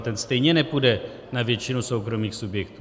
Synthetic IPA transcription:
t̪ɛnst̪ɛjɲɛnɛpudɛ | navjɛt͡ʃɪnusowkɾo̞miːxsubjɛkt̪u

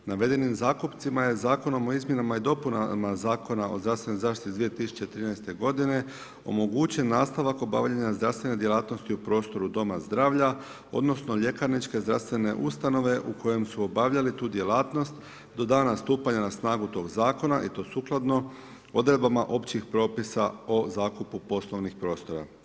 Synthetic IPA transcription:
naʋe̞d̪e̞nimzaːkupt̪simaje̞zaːko̞no̞mo̞izmje̞namaid̪o̞punamazaːko̞nao̞̰zɾast̪ʋe̞nojzaːʃt̪it̪id̪ʋijet̪isu̥t͡ɕet̪ɾinɛjst̪e̞ɡo̞d̪ine̞ | o̞̰mo̞ɡut͡ɕe̞nːaːst̪aʋako̞ba̰ʋʎaɲazd̪ɾaʋst̪ʋe̞ne̞d̪je̞lˠaːt̪no̞st̪iupɾo̞ːst̪o̞ɾud̪o̞mazd̪ɾaːʋʎa | o̞̰d̪no̞snoʎe̞kaɾnit͡ʃke̞zd̪ɾa̰st̪ʋe̞ne̞̰ʔust̪ano̞ʋe̞ʔuko̞je̞msuo̞baʋʎalit̪uːd̪je̞laːt̪no̞st̪ | d̪o̞d̪aːnast̪uːpaɲanasnaːɡut̪o̞ːɡzaːko̞naʔit̪o̞ːsuːklˠad̪no̞ | o̞d̪ɾe̞d̪̚bamaʔo̞pt͡ɕixpɾo̞ːpisaozaːkupupo̞slˠo̞ʋnixpɾo̞ːst̪o̞ɾa̰

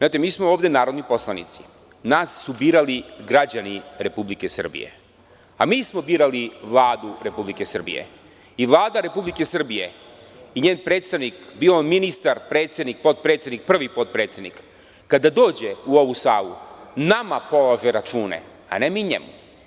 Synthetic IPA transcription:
aːt̪emiːsmooːvd̪enaːɾod̪nipo̞slˠanḭt̪si̥ | naːsːubiːɾaliɡɾad͡ʑaniɾe̞publike̞sr̩bḭjḛ | a̰miːsmo̞biːɾaliʋlˠaːd̪uɾe̞publikesr̩bḭjḛ | iʋlˠaːd̪aɾe̞publike̞sr̩bije̞ | iɲeːnpɾeːt̪st̪aʋnikbiominist̪aɾpɾeːt̪sje̞d̪nik̚po̞t̪̚pɾet̪sjed̪nik̚pr̩ʋipo̞t̪̚pɾeːt̪sʲe̞d̪nikː | ad̪ad̪o̞ːd͡ʑeuo̞ʋusa̰ːʋṵnamapo̞laʒeɾat͡ʃuːnḛ | a̰nemiɲḛmṵ

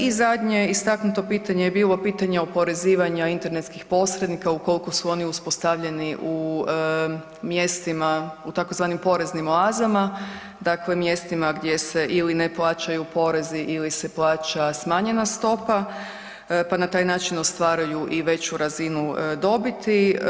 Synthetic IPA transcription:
izad̪ɲe̞ist̪aknut̪o̞piːt̪aɲejebiːlˠo̞piːt̪aɲeopo̞ɾe̞ziːʋaɲaint̪eɾnet̪skixpo̞sɾed̪nikauko̞liko̞suo̞niuspo̞st̪aʋʎe̞niʔu | mje̞st̪imaut̪ako̞zʋaːnimpo̞ɾe̞znimolaːzama | d̪akle̞mje̞st̪imaɡd̪je̞se̞ʔilineplˠaːt͡ʃajupo̞ɾe̞ziʔilise̞plˠaːt͡ʃasmaːɲe̞nast̪o̞pa | panat̪aːjnaːt͡ʃino̞st̪ʋaːɾajuʔiʋe̞t͡ɕuɾazinud̪o̞bit̪i

